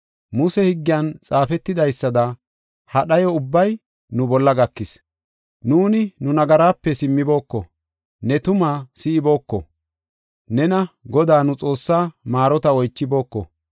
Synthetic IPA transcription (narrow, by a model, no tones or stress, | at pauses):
mʊsɛhɪɡːɪjɐnt͡sʼaːfɛt̪ːɪd̪ɐjsːɐd̪ɐ | hɐɗɐjɔʊbːɐj | nʊbɔlːɐɡɐkːɪs | nuːnɪnʊnɐɡɐɾaːpːɛsɪmːɪbo̞ːkːɔ̰ | nɛt̪ʊmaːsɪɪbo̞ːkːɔ̰ | nɛnɐɡɔd̪aːnʊt͡sʼo̞ːsːaːmaːɾɔt̪ɐwɔjt͡ʃːɪbo̞ːkːɔ̰